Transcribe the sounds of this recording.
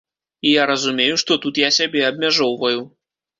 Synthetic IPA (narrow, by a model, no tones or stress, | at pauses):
ijaɾɐzumʲejuʂt̪ɔt̪ut̪jasʲabʲɛɐbʲmʲaʐɔwvɐju